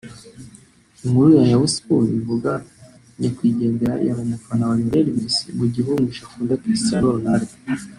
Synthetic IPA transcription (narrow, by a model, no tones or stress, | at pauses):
iŋhuɾujajawuspuɾḭvuɡa | ɲakwiːɟe̞ːndeɾa̰ḭjaβaɲakanawaɾimuɾeɾimisibuɟiβuŋɡuʃafuːndakistɾanonaɾi